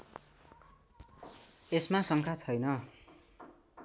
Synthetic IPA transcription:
esmasʌŋkʰat͡sʰʌjnʌ

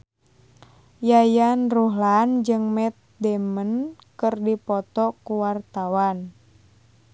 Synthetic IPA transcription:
jajanruɦland͡ʒɨŋmɛt̪̚dɛmənkɨrdipɔt̪ɔkuwart̪awan

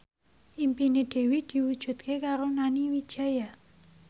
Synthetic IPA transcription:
impineɖ̥ewid̥iwu̥d͡ʒ̥ṳt̪kʰekaɾonaniwit͡ʃaja

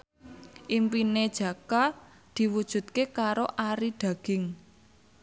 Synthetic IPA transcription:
ʔimpined̥ʒ̥ä̤ka | d̪̥i̤wud̥ʒ̥ṳt̪̚kekaɾoʔaɾiɖ̪̥ä̤ɡ̥ɪŋ

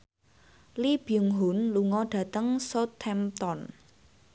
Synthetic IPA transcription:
lib̥iuŋɦunluŋɔɖ̥ä̤t̪əŋsot̪ʰːɛmt̪ɔn

